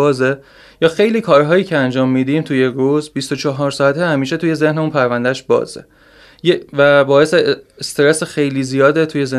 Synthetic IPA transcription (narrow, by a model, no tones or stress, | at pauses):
ɒːze | jɒːxe̞jliːkʰɒːɾɦɒːjiːcʰeænd͡ʒɒːmːiːd̪iːmt̪ʰuje̞ɾuzbist̪ot͡ʃʰɒɦɒːɾsɒːæt̪ʰehæmiːʃe̞t̪uje̞ze̞hneuːnpʰæɾvænd̪æʃbɒ̰ːzḛ | jevæbɒːje̞seːst̪eɾesexe̞jliːzijɒːd̪et̪ʰujeze